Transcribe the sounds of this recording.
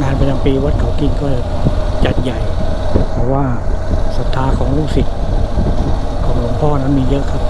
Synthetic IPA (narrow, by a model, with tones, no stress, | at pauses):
ŋaː˧npa˧na˧ŋpiː˧wa˦˥t̪̚kʰa˨˩wki˧˩ŋkɔː˥˩˨t͡ɕa˨˩t̪̚ja˨˩jpʰɔ˧˩waː˧˥˩ | sa˨˩t̪ʰːaː˨˧˥kʰɔː˩˦ŋluː˥˩ksi˨˩t̪̚ | kʰɔː˩˦ŋlo˨˩˦mpʰɔː˥˩˨na˦˥˩nmiː˧jɤ˦˥ʔkʰa˦˥p̚